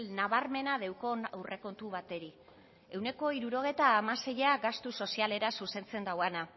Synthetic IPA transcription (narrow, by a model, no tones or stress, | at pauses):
lnaβarme̞nað̞e̞wko̞nawrʔe̞ko̞nt̪uβat̪e̞ɾi | e̞wne̞ko̞iɾuɾo̞ɣ̞et̪aːmase̞jaɡast̪uso̞siale̞ɾasuse̞nt͡se̞nd̪awana